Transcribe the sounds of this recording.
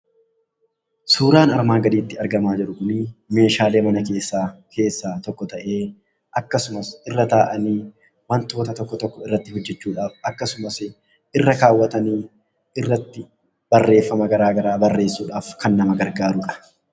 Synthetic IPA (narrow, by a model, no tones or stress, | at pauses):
suːɾaːnɐɾmaːɡɐd̪iːt̪ːɪɐɾɡɐmaːd͡ʒɪɾʊkʊnɪme̞ːʃaːleːmɐnɐke̞ːsːaːkʰe̞ːsːaːt̪ɔkːɔt̪ɐʔe̞ː | ʔɐkːɐsʊmɐsɪrːɐt̪aːʔɐniː | wɐnt̪o̞ːt̪ɐt̪ɔkːɔt̪ɔkːɔɪrːɐt̪ːɪhɔd͡ʒːɛt͡ʃːuːᶑaːfɐkːɐsʊmɐsɪ | ʔɪrːɐkaːwːɐt̪ɐniː | ɪrːɐt̪ːɪ | b̥ɐrːe̞ːfːɐmɐɡɐɾaːɡɐɾaːbɐrːe̞ːsːuːᶑaːfkɐnːɐmɐɡɐɾɡaːɾʊkʼɐ̥